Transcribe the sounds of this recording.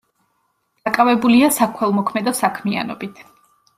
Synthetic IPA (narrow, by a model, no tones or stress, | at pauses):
d̪̥akʼavɛbuliasakʰwɛlˠmɔkʰmɛd̪ɔsakʰmia̰nɔ̰bit̪ʰ